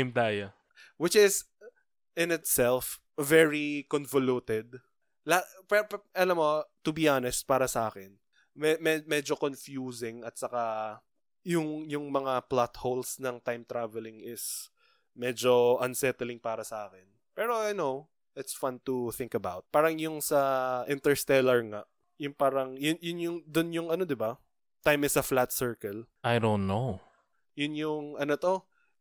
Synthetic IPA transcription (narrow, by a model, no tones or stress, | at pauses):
mt̪aːja | wɪt͡ʃɪs | ɪ̃nɪt̪sɛlf | vɛɹikonvolut̪ɛd̪̚ | lapɛpʔɐlɐmːot̪ʊbiʔanɛst̪̚paːɾɐsɐʔaːkɛn | mɛmɛmɛd͡ʒokonfjuːsɪŋɐt̪̚sɐka | jʊŋjʊŋmɐŋaplat̪howlsnɐŋt̪ajmt̪ɾavɛlɪŋɪs | mɛd͡ʒo̞ʔɐnsɛt̪ɛlɪŋpaːɾɐsɐʔaːkɛn | pɛːɾo̞ajnow | ʔɪt̪sfɐnt̪uθɪ̃ŋkɐbawt̪̚paːɾɐŋjʊŋsɐʔɪnt̪ɛɹst̪ɛlɐɹŋaʔ | jʊŋpaːɾɐŋjʊnjʊnjʊŋd̪ʊnjʊŋɐno̞d̪ɪba | t̪ajmɪsɐflat̪sɛɹkɐlʔajd̪õw̃nːow | jʊnjʊŋɐnot̪o̞